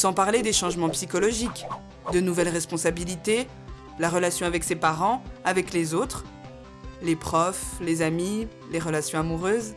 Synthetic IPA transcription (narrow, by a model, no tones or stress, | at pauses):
sɑ̃paʁled̪eʃɑ̃ʒmɑ̃psikɔlɔʒik | d̪ənuvɛlʁɛspɔ̃sabilit̪e | laʁəlasjɔ̃avɛksepaʁɑ̃avɛklezot̪χ | lepχɔflezami | leʁəlasjɔ̃amuʁøːz